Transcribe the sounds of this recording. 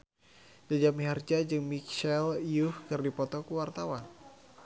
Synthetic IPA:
d͡ʒad͡ʒamiɦard͡ʒad͡ʒɨŋmikʃɛljuhkɨrdipɔt̪ɔkuwart̪awan

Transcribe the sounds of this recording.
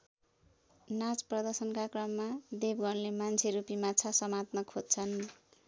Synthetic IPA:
nat͡sprʌd̪ʌrsʌnkakrʌmːad̪ebɡʌnlemant͡sʰeɾupimat͡sʰasʌmat̪nʌkʰod̪t͡sʰʌn

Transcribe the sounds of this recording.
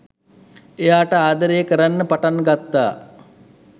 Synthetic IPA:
ejaːʈəaːd̪əɾejəkəɾanːəpaʈanːɡat̪ːa̰ː

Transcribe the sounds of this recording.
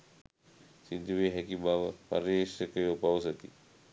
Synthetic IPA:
sid̪uʋeːɦɛkibaʋəpa̰ɾesəkeʋəpaws̬ət̪i

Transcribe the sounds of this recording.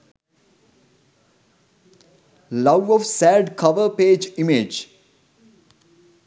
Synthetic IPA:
lʌʋɔʋsæːɖkʰʌʋəɾpeːd͡ʒimed͡ʒ

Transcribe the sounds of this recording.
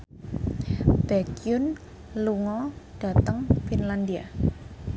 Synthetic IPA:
b̥ɛkiun | luŋɔɖ̥a̤t̪əŋfinland̪ia

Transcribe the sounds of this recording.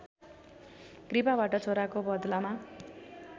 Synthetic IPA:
kripabaʈʌt͡sʰoɾakobʌd̪lama

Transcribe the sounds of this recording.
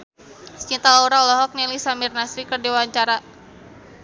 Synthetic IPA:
st͡ʃint̪alauɾaulɔɦɔk̚nɛlisamirnasɾikərdiwaɲt͡ʃaɾa

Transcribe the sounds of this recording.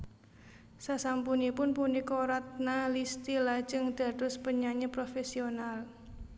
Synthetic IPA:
sasampunipʊnpunikoɾat̪̚nalist̪ilḁd͡ʒəŋd̪̥ä̤d̥ʊspəɲaɲəpɾofesional

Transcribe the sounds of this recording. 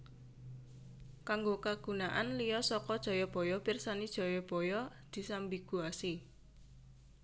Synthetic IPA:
kaŋɡokaɡ̥ṳnaʔanlijɔsɔkɔd̥ʒ̥ɔ̤jɔb̥ɔ̤jɔpirsanid̥ʒ̥ɔ̤jɔb̥ɔ̤jɔ | d̪̥i̤sambiɡ̥uasi

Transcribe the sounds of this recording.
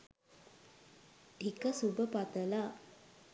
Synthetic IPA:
ikəsubəpat̪əla

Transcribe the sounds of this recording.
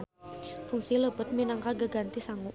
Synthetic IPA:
fuŋsiləbət̪̚minaŋkaɡəɡant̪isaŋu

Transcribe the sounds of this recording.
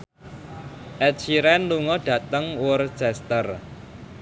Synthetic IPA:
ʔɛt͡ʃiɾɛnluŋɔɖ̥ä̤t̪əŋwʊrt͡ʃɛst̪ər

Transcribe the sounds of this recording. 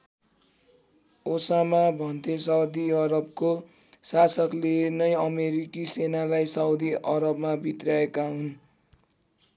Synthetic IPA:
osamabʱʌnt̪ʰesʌwd̪iʌɾʌb̚ko | sasʌklenʌjʌmeɾikisenalajsawd̪iʔʌɾʌbmabʱit̪rjaekaɦun

